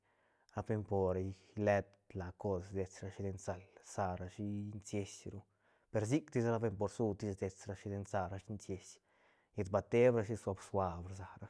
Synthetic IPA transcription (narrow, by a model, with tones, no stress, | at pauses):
a˧be˧mpo˨ɾa˧j | le˧d̪ | la˨ko˧sd̪e˨t͡sɾa˧ʃi˧d̪e˧nsa˨lsa˧ɾa˧ʃi˦nsje˧˦sɾu˦ | pe˧ɾs̬i˦kt̪i˦sɾa˦be˧mpo˧ɾsu˦t̪i˧sd̪e˨t͡sɾa˧ʃi˧d̪e˧nsa˧ɾa˧ʃi˦nsje˧s | je˧t̪ba˧t̪e˦bɾa˧ʃ̬i˦sa˧bswʷa˧bɾza˨ɾa˦